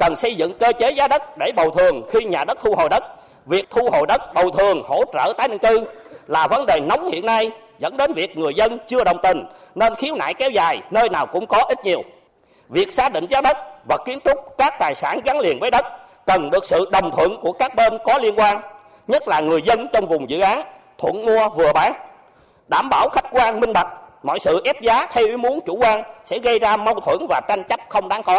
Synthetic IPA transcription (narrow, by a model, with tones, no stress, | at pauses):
kə˨˩nsə˧jzɨ̰˧˨ŋkəː˧t͡ɕe˨˦zaː˨˦ɗə˦˥t̚ɗe˧˩ɓə˨˩wt̪ʰɨ˨˩əŋxi˧ɲaː˨˩ɗə˦˥t̚t̪ʰu˧ho˨˩jɗə˦˥t̚ | vi˨˩ək̚t̪ʰu˧ho˨˩jɗə˦˥t̚ɓə˨˩wt̪ʰɨ˨˩əŋho̰˧˥t͡ɕə̰ː˧˩t̪aː˨˦jɗɨ̰˧˨ŋkɨ˧laː˨˩və˨˦nɗe˨˩nɔ˨˦wŋ͡mhḭ˧˨ənːa˧j | zə̰˧˥nɗe˨˦nvi˨˩ək̚ŋɨ˨˩əjzə˧nt͡ɕɨ˧əɗə˨˩wŋ͡mt̪ï˨˩ŋ̟ | ne˧nxi˨˦əwna̰ː˧˨jkɛ˨˦wzaː˨˩jnəː˧jnaː˨˩wkʊ̰˧˥ŋ͡mkɔ˨˦ʔi˦˥t̚ɲi˨˩əw | vi˨˩ək̚saː˨˦˥ɗḭ˧˨ŋ̟zaː˦˥ɗə˦˥t̚vaː˨˩kːi˨˦ənt̪ʊ˦˥k͡p̚kaː˦˥k̚t̪aː˨˩jsaː˧˩nɣa˨˦ŋli˨˩ənvəː˨˦jɗə˦˥t̚ | kə˨˩nɗɨ˨˩ək̚sɨ̰˧˨ɗə˨˩wŋ͡mt̪ʰwə̰˧˨nku˧˩əkaː˦˥k̚ɓe˧nkɔ˨˦li˧ənkwaː˧n | ɲə˦˥t̚laː˨˩ŋɨ˨˩əjzə˧nt͡ɕɔ˧wŋ͡mvʊ˨˩ŋ͡mzɨ̰˧˨ʔaː˨˦n | t̪ʰwə̰˧˩˨nmu˧əvɨ˨˩əɓaː˨˦n | ɗaː˧˩mɓaː˧˩wxa˦˥k̟̚kwaː˧nmï˧ŋ̟ɓa˨˩t̚mɔ̰˧˨jsɨ̰˧˨ʔɛ˦˥p̚zaː˨˦t̪ʰɛ˧wʔi˨˦mu˨˦ənt͡ɕu˧˩kwaː˧nsɛ̰˧˥ɣə˧jzaː˧ma˧wt̪ʰwə˧˩nvaː˨˩t͡ɕa˧jŋ̟t͡ɕə˦˥p̚xə˧wŋ͡mɗaː˨˦ŋkɔ˨˦